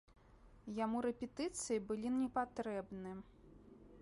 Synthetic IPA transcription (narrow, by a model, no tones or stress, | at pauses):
jamuɾɛpʲɛt̪ɨt̪sɨjibɨlʲiɛpat̪ɾɛbnɨ